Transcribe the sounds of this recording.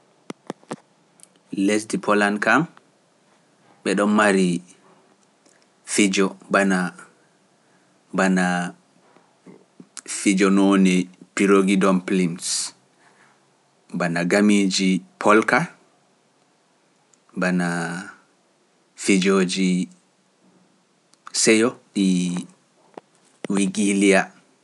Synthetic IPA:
lesdipʰɔlankam | ɓɛɗɔnmaɾi | fid͡ʒɔbana | bana | fid͡ʒɔnoːnipiɾoɡidɔmplims | banaɡamid͡ʒipʰɔlka | bana | fid͡ʒoːd͡ʒi | sɛjɔɗi | wiɡilia

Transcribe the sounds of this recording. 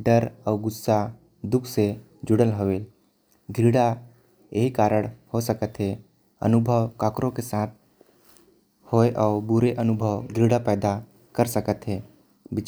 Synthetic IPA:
ɖəɾəːɡʊsːa | d̪ʊkʰse | d͡ʒʊɽəlɦoʋeːl | ɡʱiɽa | eɦikaːɾəɽ̃hosəkət̪ɦe | ə̰nʊbʱəʋkakɾõkesaːt̪̚ʰ | hoeʔaːbuɾeʔənʊbʱəʋɡʱɾiɽapɛːd̪a | kəɾsəkət̪ɦeː | bɪt͡ʃ

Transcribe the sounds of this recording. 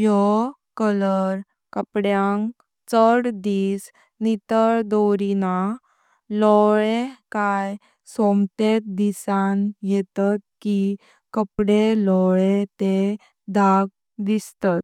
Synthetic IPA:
jɔ | kələɾ | kəpɽjãŋk | t͡səɽd̪iːs | nit̪əɾd̪oɾina | lɔɭekaj | somt̪et̪̚d̪isanjɛt̪at̪̚ki | kəpɽelɔɭet̪e | d̪ʱaɡ | d̪ist̪at̪

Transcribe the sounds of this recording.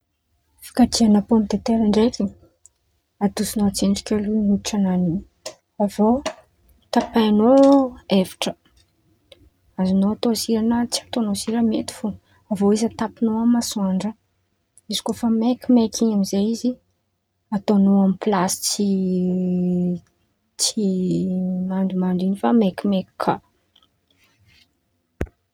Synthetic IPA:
fi̥kat̪ianapomid̪et̪eɾaɳɖ͡ʐekʲi | ad̪usinoat͡seɳɖ͡ʐi̥kʲalunuʈ͡ʂananiɲ | avo | t̪apaanoevi̥ʈ͡ʂə̥ | azinoat̪osiɾanət͡siat̪onoziɾəmḛt̪i̥fu | avoizat̪apinoamasuaɳɖ͡ʐə | izi̥kofəmekʲimekiɲamizaizi | at̪onoamipilasi̥t͡si | t͡si | maɳɖ͡ʐumaɳɖ͡ʐinifamekimeki̥kʰːa

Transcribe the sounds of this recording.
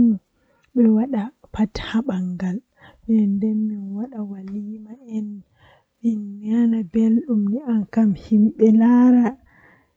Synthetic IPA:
ɓɛwaɗapathaɓaŋɡal | ɓɛndɛnminwaɗawaliːmaʔɛn | minːianabelɗumniʔankamhimɓɛlaɾa

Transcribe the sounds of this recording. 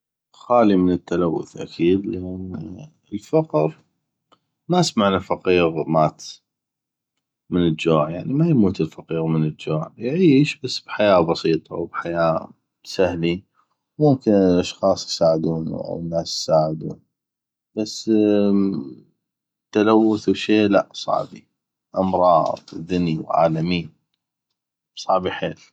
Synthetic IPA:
xaːlimənət̪ːalawːʊ̰θʔa̰kʰiːd̪lʔɪn | əlfɑqɾ | masmaʕnafɑqiːɣmaːt̪ | mənəld͡ʒoːʕjaʕnimajmuːt̪əlfɑqiːɣmənəld͡ʒoːʕjʕiːʃbasːbħajaːbɑsiːt̪ˤɑ̰wbħajaː | sahli | mʊmkɪnlʔɑʃxɑːsˤjsaːʕɪd̪uːnʔa̰wnːaːsjsaːʕɪd̪ṵːn | b̥asː | t̪ːalawːʊθwʃeːlaʔsˤɑ̰ʕbḭ | ʔɑmɾˤɑːðd̪ˤwðɪniwʕa̰ːlamiː | bsˤɑʕbiħeːl

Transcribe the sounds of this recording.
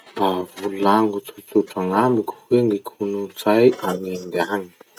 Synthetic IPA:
bavululaŋɡut͡sut͡suʈ͡ʂaŋambiku̥wend̪ikʰunut͡sajanend̪eaŋi̥

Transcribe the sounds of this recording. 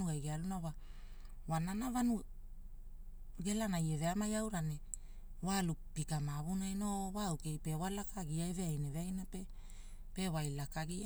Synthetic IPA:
uajɡealunawa | wananavanu | ɡe̞lanajeve̞amajawɾane | walupikamaβunajnowawke̞jpe̞walakaɡiaeveajneveajnape | pe̞wajlakaɡia

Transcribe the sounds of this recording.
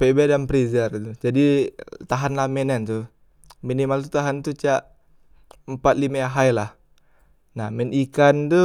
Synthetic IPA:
pebɛdanpɾizart̪ud͡ʒadit̪aɦanlamɛnɛnt̪u | minimalt̪̬ut̪aɦant̪ut͡ʃaʔ | əmpat̪̚limaaɦajlah | nahmɛnikant̪u

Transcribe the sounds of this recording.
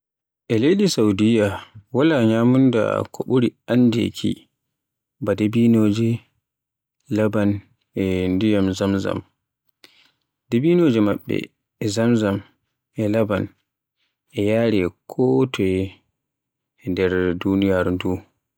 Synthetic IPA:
ʔɛlejɗisawdijawalaɲaːmunda̰kʰoɓuɾiandḛkʰḭ | badebinoːd͡ʒɛ | laban | ʔɛndijamzamza̰m | debinoːd͡ʒɛmaɓːɛ̰ | ɛzamzam | ʔɛlaban | ʔɛjaːɾɛkʰɔtʰɔjɛ | ndɛɾdunijaɾdu

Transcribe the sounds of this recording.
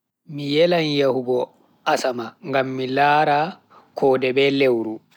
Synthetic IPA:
mijɛlanjahuɡɔ | ʔasamaŋɡamːilaːɾa | kʰɔːdɛbɛlewɾu

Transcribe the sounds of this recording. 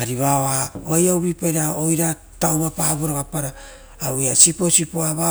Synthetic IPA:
aɾiβaoaoajawbipeɾaojɾa | tawɾapabuɾoɡapaɾa | wjasipo̞sipoaβa

